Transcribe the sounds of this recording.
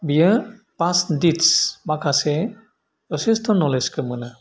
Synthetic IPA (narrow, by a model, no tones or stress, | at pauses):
bijə | pasditsmakʰase | pɔsestʰɔnːɔleskʰɯmɯna